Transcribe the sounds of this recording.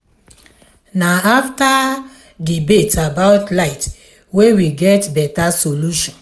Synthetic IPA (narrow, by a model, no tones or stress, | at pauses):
naafta | dibetabaʊtlaɪt | wewiɡɛtbɛtasoluʃɔ̃n